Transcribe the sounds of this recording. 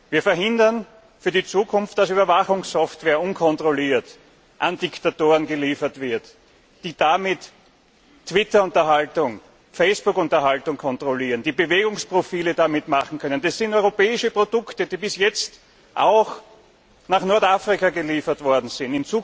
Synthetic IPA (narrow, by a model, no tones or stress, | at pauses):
viːɐfɛɐɦɪ̃ndɐn | fyːɐdit͡suːkʰʊnft̚d̥asyːbɐvaxʊŋsːɔftveːɐʊnkʰɔntʁoliːɐt | ʔandɪktatoːʁənɡəliːfɐtv̥ɪɐt | d̥iːd̥amɪtː | v̥ɪtɐʊntɐɦaltʊŋ | feɪspʊkʊ̃ntɐɦaltʊŋkʰɔntʁoliːʁənd̥iːbəveːɡʊŋspʁ̥ofiːlədamɪtmaχn̩kʰœnənd̥asːɪ̃ntɔʏʁopɛːɪʃəpʁ̥odʊktəd̥iːbɪsjɛt͡st | ʔa̰ʊx | naχnɔɐtafʁɪkaɡəliːfɐtvɔɐdn̩z̥ɪntɪnt͡suː